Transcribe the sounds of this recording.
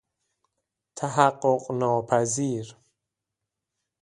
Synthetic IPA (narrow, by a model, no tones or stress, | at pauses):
t̪ʰaɦaqːoqʼnɔːpʰæziːɾ